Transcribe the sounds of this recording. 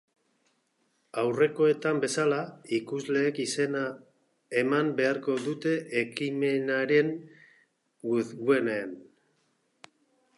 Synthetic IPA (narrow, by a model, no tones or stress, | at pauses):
awre̞ko̞e̞t̪ambe̞salaikuzle̞ːkisena | emambe̞aɾko̞ðut̪e̞ʔekime̞naɾe̞ŋ | ɡuðɡue̞nen